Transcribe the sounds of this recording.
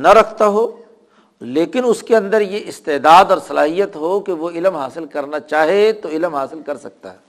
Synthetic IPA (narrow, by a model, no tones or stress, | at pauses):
nɐɾɐkʰt̪aɦoː | leːkɪnʊskeɐ̃nd̪əɾjeʔɪst̪eːd̪aːd̪ɔːɾsɐlaːɦijət̪ɦokeʋoɪlmɦaːsɪlkɐɾnat͡ʃaːɦet̪oɪlmɦaːsɪlkɐɾsɐk̚t̪a̰ɦɛː